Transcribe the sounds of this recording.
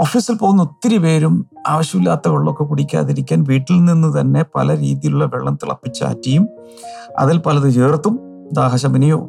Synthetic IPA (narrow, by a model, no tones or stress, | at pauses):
oːfiːsilpo̞ɣunːɐot̪ːiɾipe̞ːɾumaːʋɐɕjɐmilːaːt̪ːɐʋɐɭːo̞kːe̞kuɽikʲːa̰ːðiɾikʲːaːnʋiːʈːilninːut̪ɐnːe̞pɐ̰lɐɾḭːðijiluɭːɐʋḛɭːɐmt̪ḭɭɐ̰pːit͡ɕːa̰ːtːijum | ɐ̰ðilpɐlɐðɨd͡ʒeːrt̪ːum | d̪aːɦɐɕɐminijo̰ː